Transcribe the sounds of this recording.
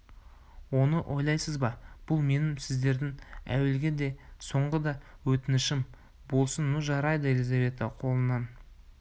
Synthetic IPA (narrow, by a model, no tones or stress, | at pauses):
wo̞nəʔo̞jlˠɑjsəzbɑb̥ʊlˠme̞nɪmsɪzd̪e̞ɾd̪ɪŋæ̰we̞lɡʲe̞d̪e̞so̞ɴʁəd̪ɑwɵt̪ɪnɪʃɪm | bo̞lˠsənːʊʒɑɾɑjd̪əe̞lʲizɑve̞t̪əqʰo̞lˠənɑn